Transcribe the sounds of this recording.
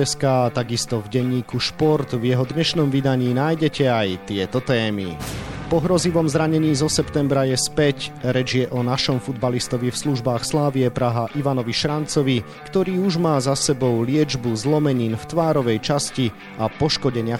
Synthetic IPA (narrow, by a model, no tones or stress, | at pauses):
ɛskaːt̪aɡist̪ɔvɟɛɲːiːkuʃpɔɾt̪vjɛɦɔd̪ɲɛʃnɔmʋid̪aɲiːnajɟɛcɛajt̪ɪɛt̪ɔt̪ɛːmḭpɔɦɾɔziʋɔmzɾaɲɛɲiːzɔsɛpt̪ɛmbɾajɛspɛcɾɛd͡ʒɪjɛʔɔnaʃɔmfud̪balist̪ɔʋifsluʒbaːxslaːʋiɛpɾaɦaʔiʋanɔʋiʃɾant͡sɔʋi | kt̪ɔɾiːuʒmaːzasɛbɔʊlɪɛd͡ʒbuzlɔmɛɲiːnft̪ʋaːɾɔʋɛjt͡ʃasci | apɔʃkɔɟɛɲɪa